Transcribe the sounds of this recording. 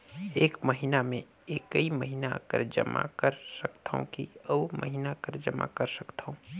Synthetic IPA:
eːkməɦɪnamẽ | eːkəiməɦɪna̰kə̰ɾd͡ʒə̰mʔa̰kəɾsəkt̪ʰaõ̰kḭɔːmə̰ɦinakəɾd͡ʒəma̰kəɾsəkt̪ʰaõ

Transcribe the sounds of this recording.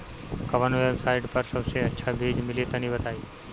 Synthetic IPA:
kɐʋənʋebsaiʈpəɾsəbseətːʃʰabʱiːd͡ʒmɪlet̪ənibət̪aːi

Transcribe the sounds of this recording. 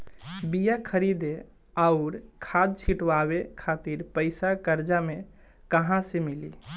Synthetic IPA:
bijakʰəɾid̪e | aʊɾkʰad̪̚t͡ʃʰiʈwawekʰat̪iɾpəɪsakəɾd͡ʒame | kəɦãsemilḭ

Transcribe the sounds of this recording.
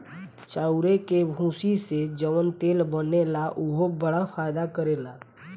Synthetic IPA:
t͡ʃaːʊɾekebʱũsised͡ʒəʋənt̪eːlbənelaʔuɦobəɽapʰajd̪akəɾela

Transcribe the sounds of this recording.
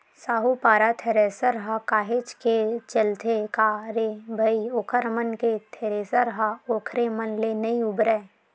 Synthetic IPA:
saːɦupaːɾat̪ʰeːɾeːsəɾɦakaːɦeːt͡ʃket͡ʃəlt̪ʰekaːɾebʱɐioːkʰəɾmənket̪ʰeːɾeːsəɾɦaoːkʰɾemənlenɐiʊbɾɛː

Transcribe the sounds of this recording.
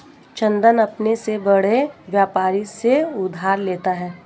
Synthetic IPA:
t͡ʃɐ̃nd̪ənɐpnesebɐɽ̤eʋjaːpaːɾiseʊd̪ʱaːɾleːt̪aɦɛː

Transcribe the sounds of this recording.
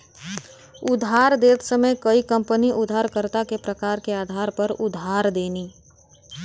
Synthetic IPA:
ʊd̪ʱɦaːɾd̪eːt̪səməjkɐikɐ̃mpəniʔʊd̪ʱaːɾkəɾt̪akepɾəkaːɾkeaːd̪ʱaːɾpɐɾʊd̪ʱɦaːɾd̪eːniː

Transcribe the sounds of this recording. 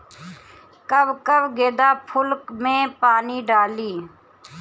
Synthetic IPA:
kəbkəbɡeːd̪aːpʰʊlkmẽːpaːniːɖaːliː

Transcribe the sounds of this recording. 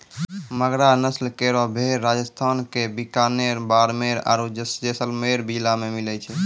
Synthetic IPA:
məɡɾanəslkeɾɔbʱeɾːad͡ʒəst̪ʰankebikaneɾbaɾmeɾa̰ɾud͡ʒəsd͡ʒesəlmeɾbid͡ʒlamemilɛt͡ʃʰɛ

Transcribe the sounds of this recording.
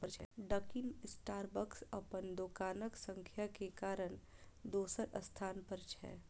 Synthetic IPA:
ət͡ʃʰɛ̰ɖəkɪnɪsʈaːɾbəksəpənd̪oːkaːnəksə̃ŋkʰjakekaːɾənd̪oːsəɾəst̪ʰaːnpəɾt͡ʃʰɛ̰ː

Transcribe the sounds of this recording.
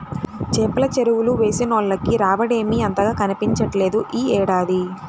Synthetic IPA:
t͡ʃeːpɐlɐt͡ʃeɾuwuluʋe̞ːsinoːɭlɐkːiɾaːʋɐɽe̞ːmiɐnt̪ɐɡaːkɐnipiɲt͡ʃɐʈle̞ːd̪uʔiːɛːɽaːd̪i

